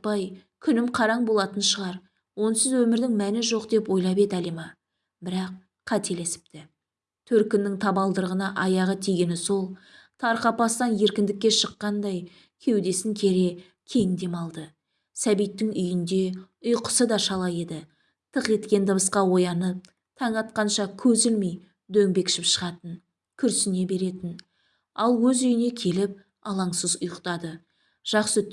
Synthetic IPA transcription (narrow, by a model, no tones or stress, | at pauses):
pɑjkʲʰʏnɪmqʰɑɾɑɴbo̞lˠɑt̪ənʃəʁɑɾ | wo̞nsɪzwɵmɪɾd̪ɪŋmænɪʒo̞qd̪e̞pwo̞jlˠɑpe̞d̪ælimɑ | bɪɾɑq̚ | qʰːæt̪e̞le̞sɪ̥pt̪ɪ | t̪ʰɵɾkʲɪnːɪŋt̪ʰɑbɑlˠd̪əɾəʁənɑʔɑjɑʁət̪ʰiɡʲe̞nɪso̞lˠt̪ʰɑɾqɑpɑst̪ɑnje̞ɾkʲɪnd̪ɪkʲːe̞ʃəqːɑnd̪ɑj | kʲʰe̞wd̪e̞sɪŋkʲʰe̞ɾe̞ | kʲʰe̞ŋd̪e̞mɑlˠd̪ə | sæbijt̪ːɪŋʏjɪnd̪e̞ | ʊjqə̥səd̪ɑʃɑlˠɑje̞d̪ɪ | t̪ʰəqe̞t̪kʲe̞nd̪əbəsqɑwo̞jɑnəp̚ | t̪ʰɑɴɑt̪̚qɑnʃɑkʲʰɵzɪlmej | d̪ɵŋbe̞kʃɪpʃəʁɑt̪ən | kʲʰʏɾsɪne̞be̞ɾe̞t̪ɪn | ɑlˠwɵzʏjɪne̞kʲʰe̞lɪp̚ | ɑlˠɑɴsəzʊjəqt̪ɑd̪ə | ʒ̥ɑqsə